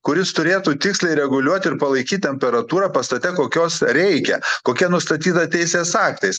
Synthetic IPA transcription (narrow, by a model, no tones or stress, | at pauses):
kʊɾʲɪst̪ʊɾʲeːt̪uːt̪ʲɪksʲlʲɛɪɾʲɛɡʊlʲuɔt̪ʲɪɾpɐlˠɐɪkʲiːt̪̚ʲt̪ʲɛmʲpʲɛɾɐt̪uːɾɑːpɐst̪ɐt̪ʲɛkoːkʲoːsɾʲɛɪkʲɛkoːkʲiɛnʊst̪ɐt̪ʲiːt̪ɐt̪ʲɛɪsʲeːsɑːkt̪ɐɪs